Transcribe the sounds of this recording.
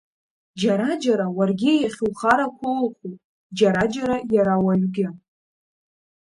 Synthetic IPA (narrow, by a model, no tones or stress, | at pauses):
d͡ʒaɾad͡ʒaɾawarɡʲɪjaχʲulχaɾakʷʰolχu | d͡ʒaɾad͡ʒaɾajaɾawaɥɡʲɪ